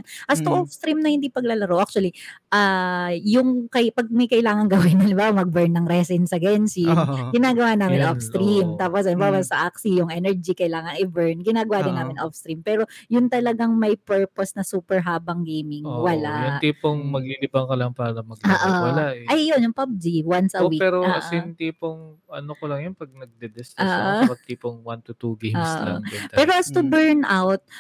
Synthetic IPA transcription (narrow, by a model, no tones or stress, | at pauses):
nʔɐst̪oʔofst̪ɾimnɐhɪnd̪ipɐɡ̚lalɐɾowʔak̚t͡ʃʊɐliʔajʊŋkɐjpɐɡ̚mɐjkɐʔɪlaːŋɐŋɡɐwɪnːɐlɪbamɐɡ̚bɛɹnːɐŋɾɛsɪnsɐɡɛnsɪɡɪnaːɡɐwaːnaːmmɪnɐʔofst̪ɾimt̪aːposɐnbawasɐʔaksijʊŋʔɛnɛɹd͡ʒikɐɪlaːŋɐŋɪbɛɹnɡɪnaːɡɐwaːd̪ɪnːaːmɪnʔofst̪ɾimpɛːɾo̞jʊnt̪ɐlɐɡaŋmɐjpɛɹposnɐsuːpɛɹɦaːbɐŋɡejmɪŋwɐlaʊnt̪iːpoŋmɐɡ̚lilɪbɐŋkɐlɐŋpaːɾɐmɐɡ̚oːʔoawɐlaʔʔɐjːonjʊŋpɐb̚d͡ʒiwansɐwiːpɛːɾosɪnt̪iːpoŋɐnokolɐŋjʊnpɐɡ̚nɐɡ̚d̪ɛd̪ɛsaʔmɐɡ̚t̪iːpoŋwant̪ut̪uɡejmosʔɐ̰pɛːɾoʔɐst̪ʊbɛɹnʔawt̪̚